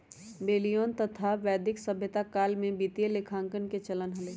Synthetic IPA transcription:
beːlijoːnt̪ɐt̪ʰaʋɛːd̪ɪksɐbʱjət̪akaːlmẽbiːt̪jelekʰãːŋkənket͡ʃɐlənɦɐleː

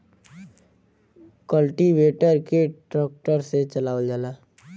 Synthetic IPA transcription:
kəlʈiʋeːʈəɾkeʈɾɔːk̚ʈəɾset͡ʃəlaːd͡ʒaːlaː

